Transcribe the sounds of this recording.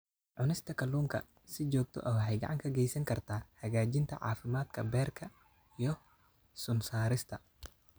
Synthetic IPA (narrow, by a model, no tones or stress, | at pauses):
ʕʊnɪst̪ʰɐkʰɐlːuːŋkʰɐ̰ | sɪt͡ʃɔːɡ̚t̪ʰɔ̰ʔɐwħɛjɡɐ̰ʕɑŋkʰɐɡɛjsɐŋkʰɐrt̪ʰaːhɐɣaːd͡ʒɪnt̪ʰɐ̰ʕɑ̰ːfɪmaːd̪kʰɐbɛːrkʰɐ | ijɔ | sʊmsaːɾɪst̪ʰɐ